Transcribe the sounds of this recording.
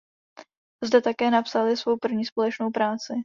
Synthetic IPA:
zdɛt̪akɛːnapsalɪsvo̞wpr̩vɲiːspo̞lɛt͡ʃno̞wpɾaːt͡sɪ

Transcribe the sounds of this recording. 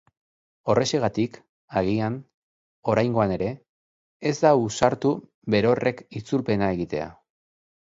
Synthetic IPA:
o̞re̞seɣat̪ik | aɣ̞ian | o̞ɾajŋɡo̞ane̞ɾe̞ː | zd̪ausaɾt̪u | βe̞ɾo̞re̞kit͡sulpe̞nae̞ɣit̪e̞̰a̰

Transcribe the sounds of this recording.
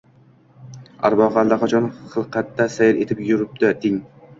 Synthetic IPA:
a̰ɾbɒʁɑlˠd̪aqʰat͡ʃʰɒnχɨlˠqʰat̪ːasajɪɾet̪ʰɪpjʊɾɪp̚d̪at̪ʰɪŋ

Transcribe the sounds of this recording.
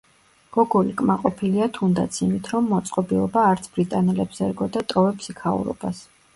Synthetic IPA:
ɡ̥ɔɡɔlikʼmaqʼɔpʰiliat̪ʰund̪a̰t̪sʰimit̪ʰɾɔmːɔt̪sʼqʼɔbilˠɔbaːɾt̪sʰb̥ɾit̪ʼanɛlɛbz̥ɛɾɡɔd̪at̪ʼɔvɛpʰsikʰaṵɾɔ̰b̥as

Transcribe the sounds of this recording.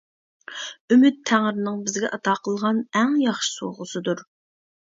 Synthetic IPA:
ymyt̪ʰːæŋɾnɨŋbɪzɡʲɛʔɑt̪ʰɑqʰəlˠʁɑnɛŋjɑχʃɨ̥so̰ʁʊsɨd̪uɾ

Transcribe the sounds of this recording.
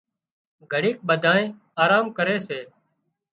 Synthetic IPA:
ɡʱəɽiːk̚ɓəd̪ʱãːnẽː | aːɾaːmkəɾeːseː

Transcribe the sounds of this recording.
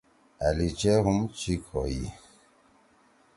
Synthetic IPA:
alit͡ʃɛɣumt͡ʃikʰɔjḭ

